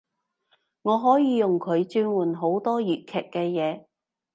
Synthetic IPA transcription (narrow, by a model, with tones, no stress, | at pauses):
ŋɔː˨˧ɦɔː˨˥jiː˨˧jʊ˨ŋkʰɵ˨˧ɥt͡ʃyː˧nwuː˨˩nɦo˨˥wt̪ɔː˥jyː˨t̚kʰɛː˨kkːɛː˧jɛː˨˧